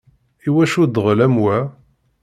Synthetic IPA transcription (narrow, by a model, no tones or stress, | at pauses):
iwæʃud̪ʁlæmwæ